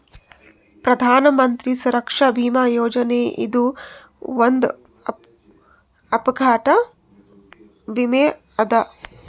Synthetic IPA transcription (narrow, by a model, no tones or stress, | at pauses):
pɾɐd̪ʱaːnɐmɐnt̪ɾisuɾɐkʂɐbʱiːmaːjoːd͡ʒɐneːʔḭd̪u | ond̪ | ɐpɐɡʱaːʈɐ | ʋimeː | ɐd̪ɐ